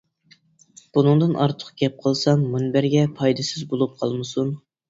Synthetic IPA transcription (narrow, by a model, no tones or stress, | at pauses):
b̥unɨŋd̪ɨnʔɑ̰ɾt̪ʰə̥qʰɡʲɛp̚qʰəlˠsɑŋmunbɪɾɡʲɛpʰɑjd̪ɨsɪzbolˠup̚qʰɑlˠmɨsun